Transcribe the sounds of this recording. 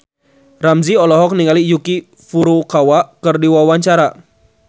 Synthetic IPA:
ramziɔlɔɦɔk̚niŋalijuki | fuɾukawaʔkɨrdiwawaɲt͡ʃaɾa

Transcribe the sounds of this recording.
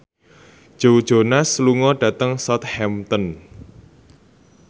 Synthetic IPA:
d̥ʒ̥owd̥ʒ̥o̤nasluŋɔɖ̥ä̤t̪əŋsɔt̪̚hɛmt̪ɔn

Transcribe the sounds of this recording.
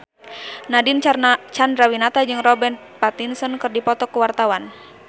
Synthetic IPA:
nadint͡ʃandɾawinat̪ad͡ʒɨŋrɔbɛnpat̪insɔnkɨrdipɔt̪ɔkuwart̪awan

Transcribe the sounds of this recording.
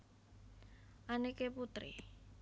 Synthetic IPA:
ʔanekeput̪ɾḭ

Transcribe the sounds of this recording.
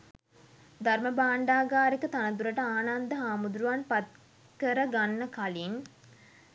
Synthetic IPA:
d̪arməbaːɳɖaːɡaːɾikət̪anət̪̬uɾəʈəaːnand̪əɦaːmud̪ɾuʋanpat̪̚ | kəɾəɡanːəkalin

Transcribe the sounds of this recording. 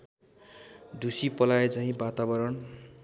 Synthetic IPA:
d̪ʱusipʌlaet͡saɦĩbat̪abʌɾʌɳ

